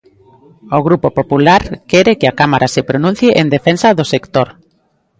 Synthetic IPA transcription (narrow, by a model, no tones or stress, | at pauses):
oɣɾupopopulaɾkɛɾekeakamaɾʔasepɾonũn̟θjeʔend̪efensaðosekt̪oɾ